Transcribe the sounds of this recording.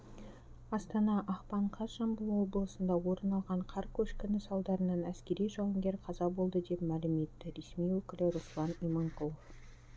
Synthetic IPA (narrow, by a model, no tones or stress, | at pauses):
ɑst̪ɑnɑʔɑqpɑɴqʰɑsʒɑmbəlˠwo̞blˠəsənd̪ɑwo̞ɾənɑlˠʁɑɴqʰɑɾkʲʰɵʃkʲɪnɪsɑlˠd̪ɑɾənɑnæskʲe̞ɾijʒɑwəmɡʲe̞ɾqʰɑzɑbo̞lˠd̪əd̪e̞pmælɪme̞t̪ːɪɾe̞smijwɵkʲɪlɪɾuslˠɑnimoŋkʰolˠof